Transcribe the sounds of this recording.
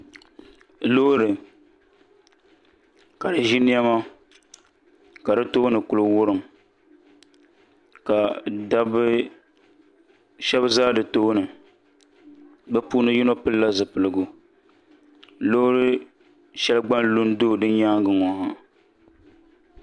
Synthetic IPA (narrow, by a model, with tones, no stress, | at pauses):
lo˦ɾɨ˨ | ka˨dɨ˨ʒi˦nɪ˦ɛ˦ma˦ | ka˨dɨ˦to˦nɨ˨ku˨lɨ˦wʊ˦ɾɨ˨m | ka˨da˦bɨ˦ | ʃɛ˦bzaː˦dɨ˨to˦nɨ˨ | bɛ˦puː˦nɨ˦ji˦no˦pɨ˦lla˦zɨ˨pɨ˨lɨ˨ɡʊ˨ | lo˦ɾɨ˦ | ʃɛ˦lɨ˦ɡ͡ba˦n˦lu˦ndo˦˨dɨ˦ɲaː˦ŋ˦ɡɨ˨ŋɔ˨ha˨